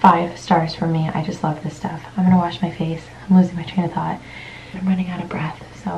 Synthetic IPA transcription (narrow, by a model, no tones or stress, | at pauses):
faɪv̥stɑɹz̥fə˞mia̰ɪd͡ʒʌstˡlʌvðɪstʌfãɪ̃mɡʌ̃nəwɑʃmaɪfeɪsãɪ̃mlʉzɪ̃ŋmaɪɹẽɪ̃nə˞θɔt̚ | ãɪ̃mɹʌnɪ̃ŋaʊɾʌvbɹɛθ | soʊ